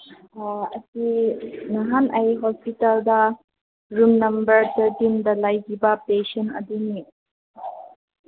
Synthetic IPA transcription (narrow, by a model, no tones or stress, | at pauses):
ɐsinaɦanʔɐjɦɔspitaldɐ | ɾumnɐmbəɾt̪ʰəɾtindɐlajɡibɐpesɔnɐ̰d̪uni